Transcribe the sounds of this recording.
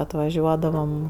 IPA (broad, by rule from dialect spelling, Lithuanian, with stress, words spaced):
ɐtʋɐˈʒʲuɔdɐʋɐm